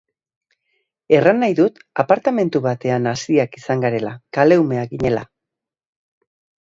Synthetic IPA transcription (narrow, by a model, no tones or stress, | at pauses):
e̞ranːajðut̪apaɾt̪ame̞nt̪uβat̪e̞anasiakisaŋɡaɾe̞lakale̞wme̞aɣiɲe̞la̰